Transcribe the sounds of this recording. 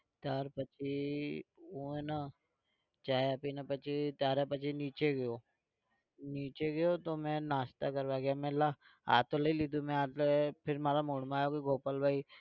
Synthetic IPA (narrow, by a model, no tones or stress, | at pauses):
t̪aːɾpɐt͡ʃʰi | uːẽna | t͡ʃaːeapinɐpɐt͡ʃit̪jaːɾapɐt͡ʃiniːt͡ʃeɡəjoː | niːt͡ʃeɡɐjot̪omɛ̃ːnaːst̪akɐɾʋaːɡjaːmɛ̃la | a̰ːt̪olɐiliːd̪umɛ̃aːpʰɪɾmaːɾamuːɽmaːjokiɡʱoːpəlbʱaːi